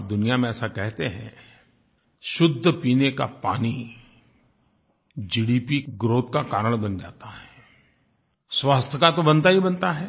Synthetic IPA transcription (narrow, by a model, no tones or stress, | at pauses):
p̚d̪ʊnijamẽɛːsakɛɦt̪eɦɛ̰̃ | ʃʊd̪ʱːəpiːneka̰paːni | d͡ʒiːɽiːpiɡɾoːt̪̚kakaːɾəɽ̃bɐnd͡ʒa̰ːt̪aɦɛː | swaːst̪ʰəkat̪obɐ̃nt̪aɦibɐ̃nt̪aɦɛː